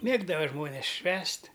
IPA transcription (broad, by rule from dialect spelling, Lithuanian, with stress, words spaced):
ˈmʲeːɡdɐʋɐ ˈʒmoːnʲeːs ˈʃʲʋʲæːsʲtʲ